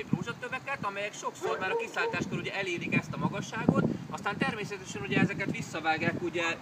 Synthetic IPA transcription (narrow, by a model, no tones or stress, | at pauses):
proːʒɒt̪ːøbɛkɛt̪ɒmɛjɛkʃo̞kso̞rmaːɾɒkisaːlt̪aːʃkøɾuɟɛʔɛleːlikɛst̪ɒmɒɡɒʃːaːɡo̞t̪ɒst̪aːnt̪ɛrmeːsɛt̪ɛʃɛnuɟɛɛzɛkɛt̪ʋisːɒvaːɡjaːkuɟɛ